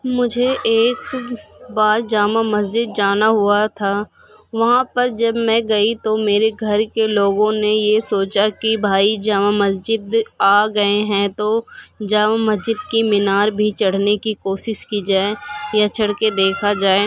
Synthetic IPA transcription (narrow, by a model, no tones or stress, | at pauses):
mʊd͡ʒʱeʔeːkbaːɾd͡ʒaːmamɐs̬d͡ʒɪd̪̚d͡ʒaːnaɦʊuat̪ʰaː | ʋɐɦãpɐɾd͡ʒɐbmɛ̃ɡɐit̪omeːɾeɡʱɐɾkeloːɡõnejesoːt͡ʃakibʱaːid͡ʒaːmamɐsd͡ʒɪd̪aːɡɐeɦɛ̃t̪od͡ʒaːmamɐsd͡ʒɪd̪̚kimɪnaːɾbʱit͡ʃɐɽ̤nekikoːʃɪʃkid͡ʒaːejat͡ʃʰɐɽked̪eːkʰad͡ʒaːe